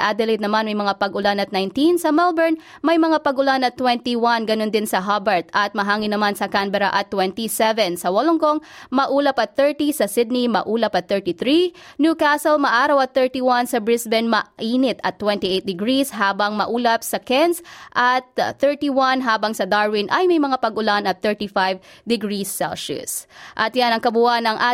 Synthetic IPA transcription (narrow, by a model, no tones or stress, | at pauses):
ʔad̪ɛlet̪̚nɐmanmɐjmɐŋapɐɡʔʊlanɐt̪̚najnt̪insɐmɛlbɛɹnmɐjmɐŋapɐɡʊlanɐt̪ːwɛnt̪iwanɡɐno̞nd̪ɪnsɐɦabɛɹt̪ɐt̪̚mɐɦaːŋɪnːɐmansɐkambɛɾɐ̰ʔɐt̪ːwɛnt̪isɛvɛnsɐwɐloŋkoŋmɐʔuːlɐpɐt̪̚θɛɹt̪isɐsɪd̪̚nimɐ̰ʔuːlɐpɐt̪̚θɛɹt̪iθɾinjukasɛlmɐʔaːɾɐwɐt̪̚θɛɹt̪iwansɐbɹɪsbɛnmɐʔiːnɪt̪ɐt̪ːwɛnt̪iʔejt̪̚d̪ɪɡɹisɦaːbɐŋmɐʔuːlɐp̚sɐkɛnsʔɐt̪θɛɹt̪iwanɦaːbɐŋsɐd̪aɹwɪnʔɐjmɐjmɐŋapɐɡʊlanɐt̪̚θɛɹt̪ifajvd̪ɪɡɹisːɛ̰lʃʊ̰sʔɐt̪janɐŋkɐbuhanɐŋʔa